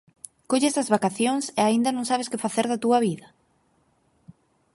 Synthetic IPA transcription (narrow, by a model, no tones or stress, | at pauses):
koʎesɐzβakaθjoŋseaind̪ɐnõŋsaβ̞eskɪfaθeɾðat̪uɐβiðɐ